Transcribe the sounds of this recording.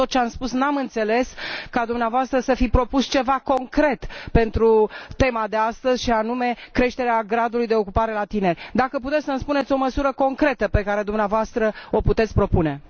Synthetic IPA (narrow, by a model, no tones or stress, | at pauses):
ot̪̚t͡ʃeamspusnamɨnt̪se̞le̞skad̪umneavoast̪ɾəsəfipɾo̞pust͡ʃe̞vako̞ŋkɾe̞t̪pe̞nt̪ɾut̪e̞mad̪e̞ast̪əz̥ʲʃianume̞kɾe̞ʃt̪e̞ɾeaɡɾad̪ulujd̪e̞o̞kupaɾe̞lat̪ine̞rʲd̪akəput̪et̪ʲsənspune̞t̪sʲo̞məsuɾəko̞ŋkɾe̞t̪əpe̞kaɾe̞d̪umneavoast̪ɾəo̞put̪e̞t̪sʲpɾo̞pune̞